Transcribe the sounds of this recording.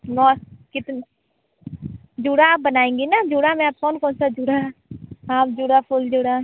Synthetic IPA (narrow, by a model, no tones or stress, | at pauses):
nɔːkɪt̪n | d͡ʒuːɽaːbənaːẽːŋɡiːnaːd͡ʒuːɽaːmɛ̃ːap̚kɔːnkɔːnsaːd͡ʒuɽaːaːpd͡ʒuːɽaːpʰʊld͡ʒuːɽaː